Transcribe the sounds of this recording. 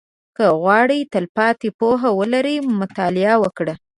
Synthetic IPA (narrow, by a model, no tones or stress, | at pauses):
kəɣwɑɽit̪əlpɑt̪epoɦawəlaɾimʊt̪ɑlɪawəkɽə